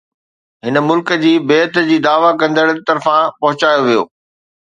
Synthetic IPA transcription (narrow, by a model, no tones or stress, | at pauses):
ɦɪnə̆mʊlkə̆d͡ʑiːbeːt̪d͡ʑiːd̪aːʋakɐ̃nd̪əɽt̪ɐɾfãpɐɦʊt͡ɕaːjoʋijo̰ː